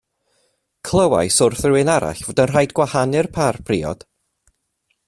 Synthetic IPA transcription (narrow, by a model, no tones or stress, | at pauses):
kʰlˠəwa̰jsʊrθrɪɪnaɾa̰ɬv̥oːdənr̥ajdɡwahanɨrpʰarpʰriːɔ̰d̥